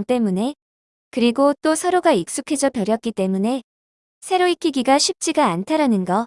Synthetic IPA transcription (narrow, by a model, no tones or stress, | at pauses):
ŋt͈e̞mune̞ | kɯɾiɡot͈osʰʌɾoɡaik̚s͈ukʰe̞d͡ʑʌpjʌɾjʌk̚k͈it͈e̞mune̞ | sʰe̞ɾoik͈ʰiɡiɡaɕʰip̚t͡ɕ͈iɡaːntʰaɾanɯnɡʌ